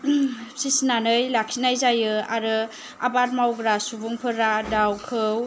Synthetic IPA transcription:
sisnanɯjlaksinajzajɯaɾɯ | a̰baɾmawɡɾasubuŋpʰɯɾadawkʰɯw

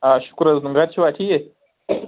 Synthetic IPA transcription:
aʃu̥kuɾaznuŋɡadt͡ʃiatije

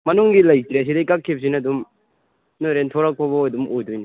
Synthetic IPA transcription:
mɐnuŋɡilɐjkɾeɐs̬idejkakʰːep̚s̬inaɐdum | noɾentʰɔɾak̚pʰabɔdumojdojni

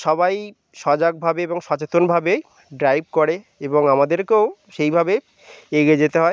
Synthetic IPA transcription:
ʃɔbaj | ʃɔd͡ʑaɡ̚bʱabeeboŋʃɔt͡ɕet̪onbʱabe | ɖɾajb̚koɾe | eboŋamad̪eɾkeoʃejbʱabe | eɡied͡ʑet̪eɦɔe

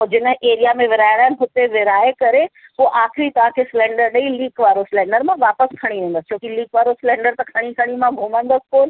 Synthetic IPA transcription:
d͡ʑɪnəʔeːɾijamẽʋɪɾaːɪɽ̃aɪnɦʊt̪eʋɪɾaːekɐɾeɦuʔaːxɪɾit̪ɐʋ̤ãkʰeːsɪlɛ̃ːɳɖəɾɗɐiliːkʋaːɾosɪlɛ̃ːɳɖəɾmãʋaːpəskʰɐɽ̃iʋẽːnd̪əst͡ɕʰoːkiliːkʋaːɾosɪlɛ̃ːɳɖəɾt̪ɐkʰɐɽ̃ikʰɐɽ̃imãɡʱumə̃nd̪əskoːn

